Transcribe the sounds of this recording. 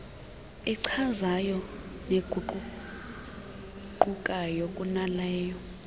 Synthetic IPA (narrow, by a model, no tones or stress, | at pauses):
ɛǀʰazajɔneɡ̥ʱuǃ | ǃukʼajokʼunalɛːjɔ